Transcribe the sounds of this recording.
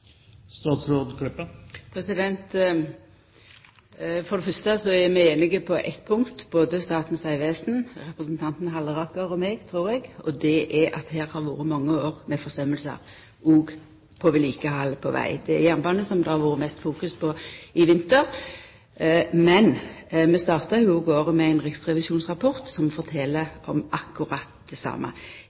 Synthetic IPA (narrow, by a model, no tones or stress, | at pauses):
st̪ɑːt̪sɾoːd̪kɾʏpːəpʰɾɛsɪd̪ɛnt̪ | fɔɾd̪ɛfœst̪əsɔæɾmɪeːnɪɡəpʰɔʔɛ̰t̪pʰʊŋkt̪boːd̪əst̪ɑːt̪n̩sæɪʋeːsn̩ɾɛpɾəsnt̪ʰɑnt̪n̩ɦɑlːəʁɑkəɾɔmɛɡt̪ʰɾuːɾɛɡɔd̪ɛʔɛʔɑ̰t̪hæːɾhɑɾʋoːɾəmɑŋːəoːɾmɛfɔsœməlsə̰ɾ | uːɡ | pʰɔʋɪliːkəhɑlpʰɔʋæ̰ɪd̪ɛæjɛnbɑnːəsɔmd̪ɛhɑɾʋuːɾəmɛst̪fuːkʉspʰɔɪʋɪnt̪əɾ | mɛnmɛst̪ɑːʁt̪əɪbuːɡoːʁəmɛæɪnʁɛkt̪sʁɛʋɪsuːnsʁɑpʰɔʁt̪sɔmfɔʁt̪ʰɛləɔmɑkːʊɾɑt̪̚d̪ɛsɑ̰ːmə̰